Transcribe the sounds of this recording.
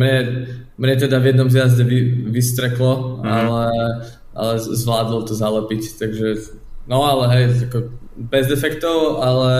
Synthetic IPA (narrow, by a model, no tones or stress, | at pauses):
mɲɛ | mɲɛt̪̬ɛd̪avjɛd̪nɔmzjazɟɛʋiʋist̪ɾɛklɔalɛ | ʔa̰lɛzʋlaːd̪lɔt̪ɔzalɛpict̪aɡʒɛ | nɔalɛɦɛjakɔbɛzd̪ɛfɛkt̪ɔʊalɛ